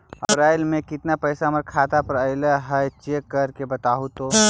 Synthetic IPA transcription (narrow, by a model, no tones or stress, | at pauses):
əbɾaːɪlmẽkɪt̪napəjsaməɾkʰat̪apəɾəɪləɦət͡ʃekːəɾkebət̪aːɦut̪o